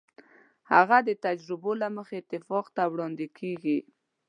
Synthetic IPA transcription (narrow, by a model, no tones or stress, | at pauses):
haɣad̪ət̪ad͡ʒɾɪbolaməxeɪt̪ːɪfɑqt̪awɽɑnd̪ɪkʰeɡi